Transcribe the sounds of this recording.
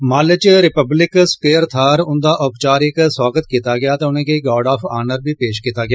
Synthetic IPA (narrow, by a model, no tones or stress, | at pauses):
maːlət͡ʃɾɪpəblɪkspeːəɾt̪ʰaːɾʊnd̪aːʔʊpt͡ʃaːɾɪkswaːɡət̪kit̪aːɡɪjaːt̪ẽːʊnẽːkeɡɔːɖaːpʰaːnəɾbiːpeːʃkiːt̪aːɡɪjaː